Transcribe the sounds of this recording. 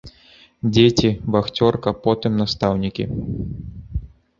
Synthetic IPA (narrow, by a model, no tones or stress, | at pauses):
d͡zʲetʲivaxt͡sʲɔrkɐpɔt̪ɨmnɐst̪awnʲikʲḭ